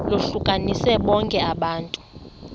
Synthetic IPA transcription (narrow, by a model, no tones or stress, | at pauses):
loɬukʼanisɛɓɔŋkʼɛaɓaːntʼu̥